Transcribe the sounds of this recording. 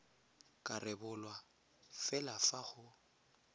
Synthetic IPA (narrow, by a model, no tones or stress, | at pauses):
kʼarɪbʊlwa | fɛlafaχʊ